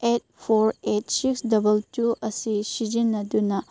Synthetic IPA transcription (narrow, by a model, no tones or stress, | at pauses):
et̚pʰoɾet̚siksdɐbɐltuɐsisid͡ʒinːɐdunɐ